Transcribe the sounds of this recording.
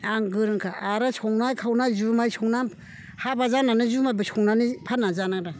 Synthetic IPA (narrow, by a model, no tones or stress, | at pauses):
aŋɡɯɾɯnkʰaaɾɯsʰɔŋnajkʰawnazumajsʰɔŋna | habazananɯzumajbɯsʰɔŋnanipʰanazanaɾa